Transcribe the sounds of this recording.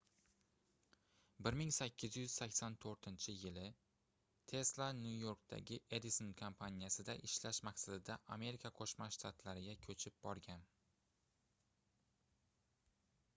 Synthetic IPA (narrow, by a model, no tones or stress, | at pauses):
bɪɾmɪŋsakʲːɪzjʏz̥sakʲsant̪ʰɵɾt̪ʰɪnt͡ʃʰɪjɪlɪ | t̪ʰe̞slˠanjujo̞ɾk̚d̪ʰa̰ɡʲɪʔed̪isonkʰompʰanʲijasɪd̪aʔɪʃlaʃmaqsad̪ɪd̪aʔame̞ɾɪkʰaqʰoʃmaʃt̪ʰat̪laɾɪɡʲakʲʰɵt͡ʃʰɪp̚bɒɾɡʲan